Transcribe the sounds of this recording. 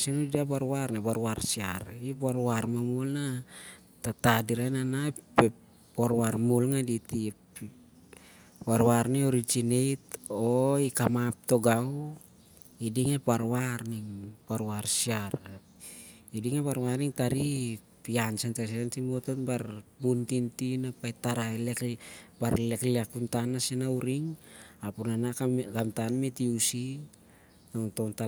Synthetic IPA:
senudidapaɾwaɾnabaɾwaɾsia̰ɾipaɾwaɾmamulna | tatadiɾananape | paɾwaɾmulŋaditi | baɾwaɾnioɾid͡ʒinejtoikamap̚toɡaw | idiŋepaɾwaɾniŋpaɾwaɾsiaɾ | idiŋepaɾwaɾniŋtaɾi | piansantas̬eantimot̪onbaɾbuntintinapajtaɾaelekbaɾlekliakuntanasenauɾiŋapunanaaɡamtanmetiusi | tontonta

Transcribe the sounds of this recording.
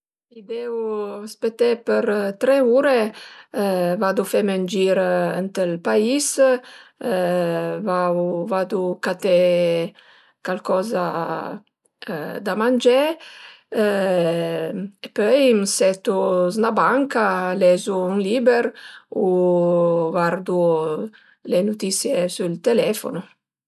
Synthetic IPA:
id̪ɛuaspet̪ɛpəɾt̪ɾɛuɾe | vad̪ufɛmənd͡ʒiɾənt̪əlpais | vavad̪ukat̪ɛ | kalkɔza | d̪amand͡ʒɛ | epœjmsɛt̪uznabaŋkalɛzuynlibeɾu | vaɾd̪u | lenut̪isjesylt̪elɛfo̰nu

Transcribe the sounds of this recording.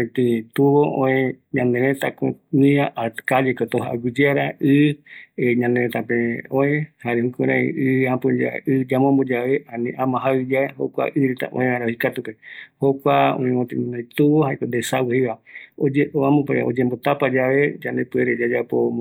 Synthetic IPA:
ẽt̪ĩt̪uwoõẽɲãnd̪ẽɾẽt̪akõnĩaʔakalekot̪oɦa̰ɡid͡ʒeaɾaɨ | ɲãnd̪eɾẽt̪apẽõẽhaɾehũkẽɾ̃ãḭ̃ʔɨãpud͡ʒa̰ɨd͡ʒamõmbod͡ʒaʋeʔanĩʔãmãɦawid͡ʒaeho̰kʷa̰ʔɨɾet̪a̰ʔõ̰ẽãɾahikat̪upehokʷaõ̰ẽmõt̪ĩnnõjt̪uwohaekond̪esawhewaod͡ʒeoãmõpo̰d͡ʒembot̪apad͡ʒaʋed͡ʒand̪epɨeɾed͡ʒad͡ʒapo

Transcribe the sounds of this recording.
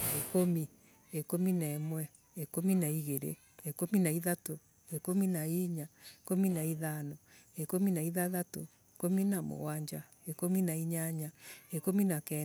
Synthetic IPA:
ekomi | ekominaɛmwɛ | ekominaiɣeɾḛ | ekominaiðato | ekominaiɲaekominaiðanɔ | ekominaiðaðato | ekominamo̰waɲd͡ʒa | ekominaiɲaɲaekominakɛ

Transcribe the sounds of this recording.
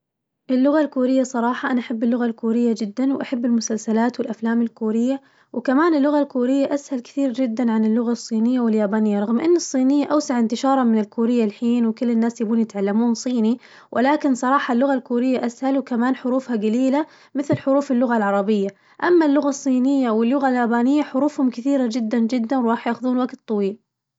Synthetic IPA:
ʔɪlːʊɣalkuːɾɪjːasˤɑɾˤɑːħɑʔanaʔaħabːɪlːʊɣalkuːɾɪjːad͡ʒɪd̪ːanwʔaħabːɪlmʊsalsalaːt̪wɪlʔaflaːmɪlkuːɾɪjːa | wkamaːnɪlːʊɣalkuːɾɪjːaʔashalkɪ̥θiːɾd͡ʒɪd̪ːanʕanɪlːʊɣasˤːiːnɪjːawɪljaːbaːnɪjːaɾˤɑɣmʔɪ̰nːɨsˤːiːnɪjːaʔawsaʕɪnt̪ɪʃɑːɾˤɑmɪnɪlkuːɾɪjːalħiːnwkʊlːɪnːaːsjabuːnjɪt̪ʕalːamuːnsˤiːni | wʔɪlaːkɪnsˤɑɾˤɑːħɑlːʊɣalkuːɾɪjːaʔashalwkamaːnħʊɾuːfhaɡaliːla | mɪθlħʊɾuːfɪlːʊɣalʕɑɾˤɑbɪjːa | ʔamːalːʊɣasˤːiːnɪjːawɪlːʊɣaljaːbaːnɪjːaħʊɾuːfhʊmkɪθiːɾad͡ʒɪd̪ːand͡ʒɪd̪ːanwɾˤɑːħjaːxʊðuːnwaɡt̪ˤːɑwiːl

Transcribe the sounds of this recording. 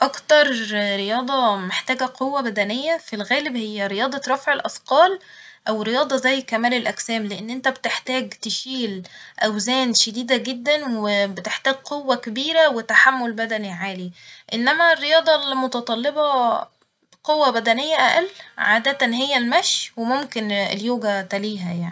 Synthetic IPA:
ʔɑkt̪ɑɾˤɾejɑːd̪ˤɑmeħt̪æːɡæqowːæbæd̪ænejːæfilɣæːlebhejːæɾejɑːd̪ˤɑɾˤɑfʕelʔɑfqɑːlʔæwɾejɑːd̪ˤɑzæjːkæmæːlelʔæksæːmleʔenːʔent̪æbet̪eħt̪æːɡt̪eʃiːlʔæwzæːnʃæd̪iːd̪æɡed̪ːænwebet̪eħt̪æːɡ̚qowːækebiːɾæwet̪aħamːolbæd̪æniʕaːliʔenːæmærːejɑːd̪ˤɑlmot̪ɑt̪ˤɑlːebɑ | qowːæbæd̪ænejːæʔæʔælʕaːd̪æt̪ænɦejːælmæʃjwemomkenḛljoːɡæt̪æliːɦæjaʕni

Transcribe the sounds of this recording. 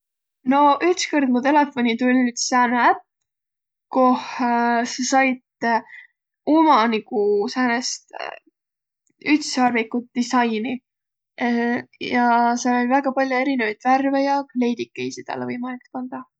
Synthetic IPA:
no̞ʔyt̪skord̪̥mut̪e̞le̞fo̞nit̪ulʲsæːneæp̚ | ko̞hsɑsɑjd̪̥ | umɑnikusæːnest̪ | yt̪sɑːrvikːut̪̚d̪̥isɑjni | jɑselejvæɡɑpɑlʲjue̞ɾinevɑjd̪̥værvejɑkle̞jd̪ikːejsit̪æ̰lːevɤjmɑlikspɑnd̪̥ɑ

